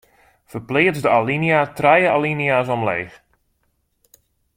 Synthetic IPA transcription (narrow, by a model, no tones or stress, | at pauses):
fərplɪətzdəalinjatrɛjəa̰liniaːs̬ɔmlḛːx